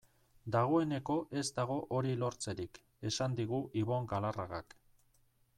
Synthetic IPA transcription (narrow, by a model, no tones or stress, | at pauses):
d̪aɣ̞o̞e̞ne̞ko̞ʔe̞zd̪aɣ̞o̞ʔoɾilo̞ɾt͡se̞ɾik | e̞sand̪iɣ̞uʔiβo̞ŋɡalaraɣa̰k